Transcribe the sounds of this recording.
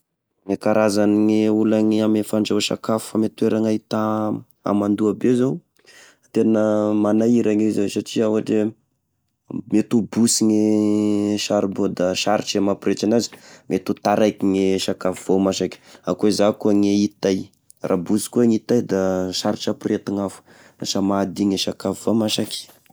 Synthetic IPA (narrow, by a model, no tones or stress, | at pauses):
ŋekaɾʔazaniŋeulaŋiamefaɳɖ͡ʐawʃa̰kafu̥famet̪ueɾaŋait̪a | a̰mand̪uabezow | t̪enəmanajiɾaŋizasaʈ͡ʂiauaʈ͡ʂe | met̪ubusiŋe | ʃaɾibod̪aʃaɾiʈ͡ʂemapɾet͡ʃanazi̥mʔet̪ut̪aɾajkiŋeʃakafivomaʃakʲi̥a̰kuezakuəŋeit̪aj | rʔa̰busi̥kuaŋit̪ajd̪aʃaɾiʈ͡ʂapret̪aŋafu̥ | aʃamad̪iŋeʃakafivomaʃaki̥